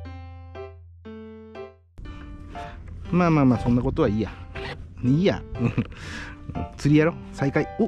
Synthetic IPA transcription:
mãmãmasõnːakot̪oaijania | t͡sɨɾiaɾo | saikaiu

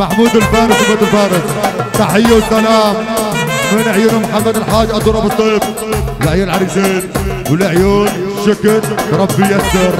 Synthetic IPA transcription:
maħmuːd̪ɪlfaːɾɪsɪbeːt̪ɪlfɑːɾɪst̪ɑħɪjːawɪsːalaːmmeːnɪʕjunamħamːad̪ɪlħaːd͡ʒʔɑt̪ˤuːɾˤɑbɨsˤiːf | wɪlɪʕjuːnʕaɾiːsiːn | wɪlɪʕjuːnʃɪkɾɾˤɑbːɪjasɑɾˤ

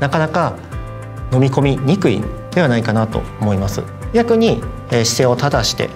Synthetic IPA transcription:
nakanaka | no̞mʲiko̞mʲiɲ̟ikɯ̟ḭd̪̥e̞β̞anaikanat̪o̞̰omo̞imasɨ̰ | ɡʲakɯ̟ɲ̟i | eːɕi̥se̞ːo̞t̪ad̪aɕi̥t̪e̞̰

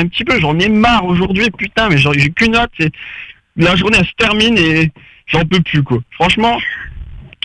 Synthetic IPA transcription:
ɛ̃pət̪ipøʒɑ̃mɛmaʁoʒuʁd̪ɥipyt̪ɛ̃mɛʒɑ̃ʒekynɔt̪sɛ | laʒuʁneɛlsə̥t̪ɛʁmine | ʒɑ̃pøplykwafχɑ̃ʃmɑ̃

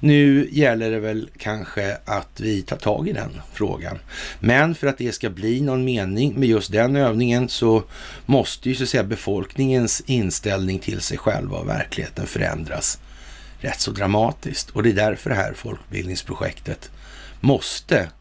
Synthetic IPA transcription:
nʉ̟ːjɛlːəɖɛvɛlkʰanɧəat̪vɪt̪ʰɑːʈʰɑ̰ːɡɪd̪ɛ̰nfɾo̰ːɡa̰nmɛnfœɾat̪̚d̪ɛskabliːnɔnmeːnɪŋmɛjɵst̪̚d̪ɛnøːvnɪŋənsɔ | mɔst̪əjɵsat̪sɛjːabɛfɔlknɪŋənsɪnst̪ɛlnɪŋt̪ʰɪlsɛjɧɛ̰lvavæ̰ɾkʰlɪɡhḛːt̪ənfœɾɛ̰nd̪ɾas | ɾɛt̪ːsɔd̪ɾamɑːt̪ɪskt̪ʰɔd̪ɛːd̪æɾfœɾɦæ̰ːɾfɔlkbɪ̰ld̪nɪŋspʰɾʊɧɛ̰kt̪ʰət̪ | mɔst̪ə

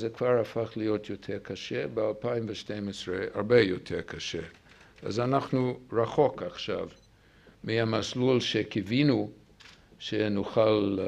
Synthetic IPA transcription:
zekv̥aʁafaχlijotʰjotʰeʁkʰaʃebealpaimveʃtejmesʁea̰ʁbejotʰeʁkʰaʃḛ | a̰zanaχnuʁaχo̞kaχʃa̰v | miamaslulʃekʰivinu | ʃenuχal

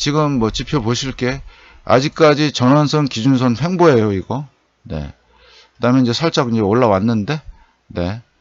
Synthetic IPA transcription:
t͡ɕiɡɯmːʌt͡ɕipʰjʌpoɕʰiɭk͈e̞ | a̰d͡ʑik̚k͈ad͡ʑit͡ɕʌnansʰɯnkid͡ʑuns̬ʰʌnɸe̞ŋboe̞joiɡʌ | ne̞̰ | kɯdamjʌniɲd͡ʑe̞sʰaɭt͡ɕ͈aɡind͡ʑe̞oɭːawanːɯnde̞ | ne̞

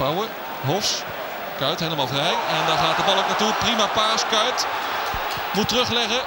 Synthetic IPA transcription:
awə | ɦɔfs | kœɥtɦejləmaːlˠfrɛjɛndɑχaːtəvɑlˠok̚natuprimaːpaːskœɥt | mutərɵχlɛχə

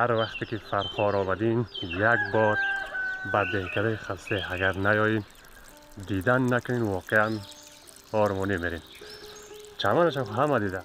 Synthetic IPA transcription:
haɾvaχt̪ekifaɾχɔɾɔbad̪injaɡbɔɾbad̪ehkʰad̪aiχəst̪eaɡaɾnajɔjin | d̪id̪anːakʊninvɔqʰean | ɔɾmɔnimeɾen | t͡ʃʰamanaʃ̬aχɦamad̪id̪a

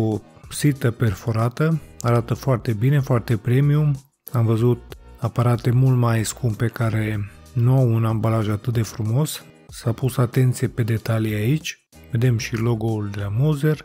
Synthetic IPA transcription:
osit̪əpe̞rfo̞ɾat̪əaɾat̪əfoart̪e̞bine̞foart̪e̞pɾe̞mium | amvəzut̪̚apaɾat̪e̞mult̪majskumb̚pekaɾe̞nuawunambalaʒat̪ɨt̪̚d̪e̞fɾumo̞s | sapusat̪e̞nt̪sijepe̞d̪e̞t̪aliait͡ʃʲ | ve̞d̪e̞mʃilo̞ɡo̞uld̪e̞lamozer

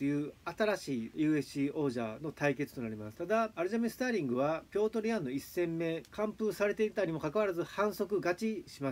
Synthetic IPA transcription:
jɯ̟ːat̪aɾaɕiːjɯ̟ːe̞ɕio̞ːʑano̞t̪aike̞t͡sɨ̥t̪o̞naɾʲimasɨ̥t̪ad̪aːɾɯ̟ʑamesɨ̥t̪aːɾʲĩŋɡɯ̟βapʲo̞ːt̪o̞ɾʲijãnːo̞isːẽ̞mːe̞kãmpɯsaɾe̞t̪e̞iɾɯt̪aɲ̟imo̞kakaβaɾazɨhãɰ̃so̞kɯ̟ɡat͡ɕiɕima

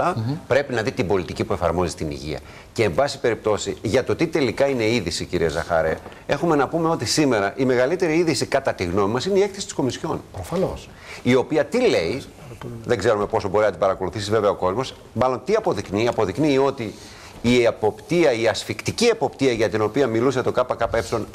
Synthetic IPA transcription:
ɐpɾe̞pinɐðit̪ibo̞lit̪icipue̞fɐɾmo̞zit̪inḭʝḭɐ̰ | ce̞ːɱbɐsi̥pe̞ɾip̚t̪o̞siʝɐt̪o̞t̪it̪e̞likɐine̞iðisicḭɾiezɐxɐ̰ɾe̞̰ | e̞xume̞nɐpume̞o̞t̪isime̞ɾɐʔime̞ɣɐlit̪e̞ɾiiðisikɐt̪ɐt̪iɣno̞mimɐsineie̞kθesi̥t̪i̥sko̞misço̞nofɐ | io̞piɐt̪ile̞i | ðe̞ɡze̞ɾume̞po̞sobo̞ɾiznɐt̪ibɐɾɐko̞luθisizve̞veɐo̞ko̞zmo̞s | mɐlo̞nt̪iɐpo̞ðikniɐpo̞ðiknio̞t̪iː | eɐpo̞pt̪iɐiɐsfikt̪iciepo̞pt̪iɐʝɐt̪ino̞piɐmilus̬ɐt̪o̞kɐpɐkɐpɐe̞psilo̞n

